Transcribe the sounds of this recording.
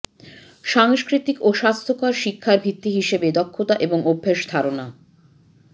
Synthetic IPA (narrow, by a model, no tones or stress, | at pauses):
ʃaŋʃkɾit̪ikoʃast̪ʰokaɾʃikʰːaɾbʱit̪ːiɦiʃebed̪ɔkʰːot̪aʔeboŋobʱːeʃd̪ʱaɾona